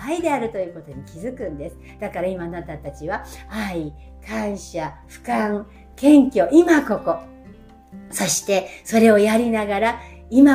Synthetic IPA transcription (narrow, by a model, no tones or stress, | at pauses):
aid̪e̞aɾɯ̟t̪o̞jɯ̟ko̞t̪o̞ɲ̟ikʲizɨkɯ̟̃nd̪e̞sɨ̥ | d̪̥akaɾaimanat̪at̪at͡ɕiβaai | kãɰ̃ɕaɸɯ̟̥kãŋ | kẽ̞ŋkʲjo̞imako̞ko̞ | so̞ɕi̥t̪e̞so̞ɾe̞o̞jaɾʲinaɡaɾaima